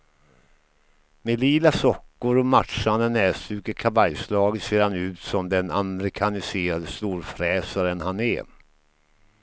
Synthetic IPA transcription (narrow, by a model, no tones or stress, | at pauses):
meliːlasɔkːʊɾɔmatʂand̪ənɛːsʉ̟ːkəkʰavajslɑːɡət̪seːɾhanʉ̟ːt̪sɔmd̪ɛnamɛɾɪkʰanɪseːɾad̪əst̪uːɾfɾɛːsaɾənhanɛ̰